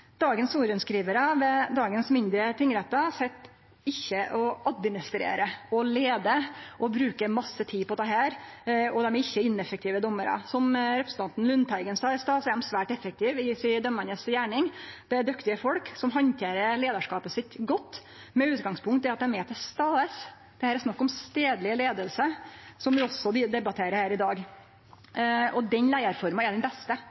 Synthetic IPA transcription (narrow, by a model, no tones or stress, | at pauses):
d̪̥ɑːɡənsuːɾənskɾiːʋəɾɑʋɛd̪ɑːɡənsmɪnd̪ɾət̪ʰɪŋːɾɛt̪ːɑsɛt̪ː | ɪçːəʔɔɑd̪̚mɪnɪst̪ɾḛːɾəɔleːd̪əʔɔbɾʉːkəɾmɑsːət̪ʰiːpɔt̪ʰɑːhɦæːɾɔd̪ɛmæɾɪçːəɪnːɛfəkt̪ɪːʋəd̪ɔmːəɾɑ̰sɔmɾɛpɾəsən̩t̪ɑnt̪n̩lʉnt̪ʰæɪɡənsɑːɛst̪ɑːsɛmsʋæːʈɛfək̚t̪ʰɪːʋɪsɪd̪œmɑnəsjæːɳɪŋd̪̥ɛd̪ʉkt̪ɪəfɔlksɔmɦɑnt̪ʰeːɾəleːd̪ɑʂkɑːpəsɪt̪ɡɔt̪ː | mɛʉːt̪ɡɑŋspʰʊŋkt̪d̪ɛɾɑt̪̚d̪ɛmhɛːt̪ɛst̪ɑːəs | d̪̥ɛhæːɾɛsnɑkːɔmst̪eːd̪lɪleːd̪əlsəsɔmʋɪɔsɔd̪ɪd̪ɛbɑt̪ʰeːɾəhæːɾɪd̪ɑːɡ | ɔd̪ɛnlæɪɑɾfɔɾmɑɛɖ̪ɛnbɛst̪ə